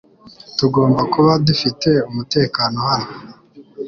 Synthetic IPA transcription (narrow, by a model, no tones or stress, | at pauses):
tuɡo̞ːmbakuβadufite̞umute̞ːkaːno̞haho